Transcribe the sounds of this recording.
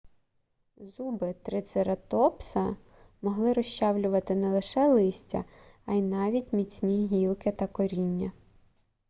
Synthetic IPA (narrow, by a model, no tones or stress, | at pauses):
zubɪt̪ɾɪt̪seɾɐt̪ɔpsɐ | mɔɦlˠɪɾɔʃt͡ʃɑwlʲʊʋɐt̪ɪnɛlˠɪʃɛlˠɪsʲtʲɐ̰ɐjnɑʋʲitʲmʲit͡sʲnʲiɦʲilˠkɪt̪ɐkɔɾʲinʲːɐ